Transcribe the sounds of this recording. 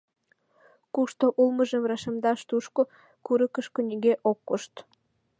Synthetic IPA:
kuʃt̪oʔulmə̆ʒə̆mrɑʃəmd̪ɑʃt̪uʃko | kuɾəkə̆ʃkonʲiɣeʔokːoʃt̪

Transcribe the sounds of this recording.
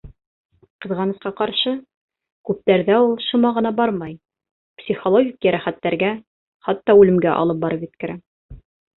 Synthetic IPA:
qɤ̆ðʁɑnɤ̆sqɑqɑɾʃɤ | kʉp̚t̪æɾðæulˠʃŭmɑʁɤ̆nɑbɑɾmɑj | psʲiχolˠoɡʲikjæɾæχæt̪ːæɾɡæ | χɑt̪ːɑʉlɘ̆mɡæʔɑ̰lˠɤp̚bɑɾɤpjɘ̆t̪kɘ̆ɾæ

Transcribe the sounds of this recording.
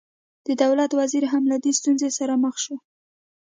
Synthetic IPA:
d̪̥əd̪awlat̪waziɾɦamlad̪est̪unzesaɾaməxʃo

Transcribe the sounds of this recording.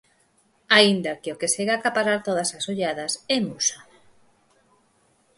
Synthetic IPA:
aind̪akɪokeseɣakapaɾaɾt̪oð̞ɐsasoʎaðɐsɛmusḁ

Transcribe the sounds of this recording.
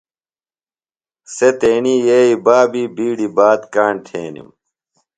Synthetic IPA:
set̪eːnijeːibaːbibiːɽibaːt̪kaːɳʈʰeːnḭm

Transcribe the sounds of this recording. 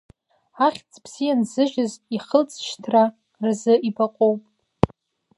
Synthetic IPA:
aχʲt͡sʰʼbʰz̥ijanzɨʒᶣɪziχəlt͡sʰʼʃtʰra | rzɨʔibaqʼowpʼ

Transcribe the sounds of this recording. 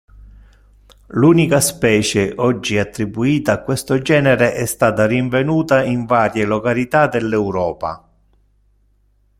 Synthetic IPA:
luːnikaspɛːt͡ʃeʔɔd͡ʒːiat̪ːɾibuiːt̪aːkːwest̪od͡ʒɛːneɾeʔɛst̪aːt̪ariɱvenuːt̪aiɱvaːɾjelokalit̪ad̪elːɛwɾɔːpa̰

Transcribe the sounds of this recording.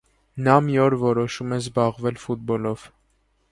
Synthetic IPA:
nɑmiɔɾvɔɾɔʃumɛzbɑʁvɛlfut̪̚bɔlɔv̥

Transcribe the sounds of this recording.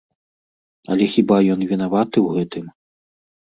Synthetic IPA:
ɐlʲɛxʲibajɔnvʲinavat̪ɨwɣɛt̪ɨm

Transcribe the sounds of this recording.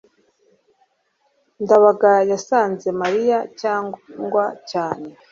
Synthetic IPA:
ndaβaɡajasaːnze̞maɾijacaːŋɡwacaːne̞

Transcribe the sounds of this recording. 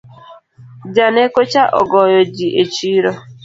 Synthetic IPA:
d͡ʒanekot͡ʃaʔɔ̰ɡɔjɔd͡ʒiʔet͡ʃiɾɔ

